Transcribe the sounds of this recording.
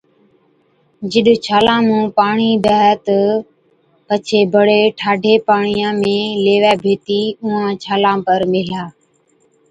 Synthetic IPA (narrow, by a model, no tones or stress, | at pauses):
d͡ʒɪɗt͡ʃʰaːlãːmũːpaːɳiːbəːɦt̪ə | pət͡ʃʰeːbʱəɽeːʈʰaːɖʱeːpaːɳijãːmẽːleːʋɛːbʱeːt̪iːʊːãːt͡ʃʰaːlãːpəɾmɪlaː